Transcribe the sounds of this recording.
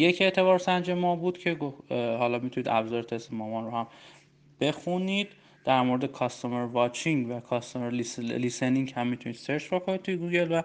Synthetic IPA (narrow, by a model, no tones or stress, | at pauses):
je̞cʰe̞ʔt̪ʰe̞βɒːɾsænd͡ʒe̞mɒːbuːd̪̥cʰe̞ɡohɒːlɒːmit̪ʰuniːd̪æbzɒːɾet̪ʰe̞st̪emɒːmɒːnɾohæm | b̥e̞xuniːd̪̥ː | æɾmoɾed̪ekʰɒːst̪ʰomeɾvɒːt͡ʃʰiŋɡvækʰɒst̪omeɾliliseniŋchæmːit̪ʰuniːd̪̥seɾt͡ʃbokʰo̞nid̪̚t̪ʰujeɡuːɟe̞lvæ